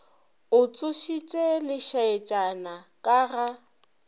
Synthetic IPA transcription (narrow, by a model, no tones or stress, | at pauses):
ʊt͡sʼʊʃit͡ʃʼɛlɪʃaɛt͡ʃʼana | kʼaɣa